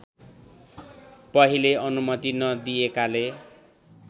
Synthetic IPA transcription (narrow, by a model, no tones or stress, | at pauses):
pʌɦileʌnumʌt̪inʌd̪iekale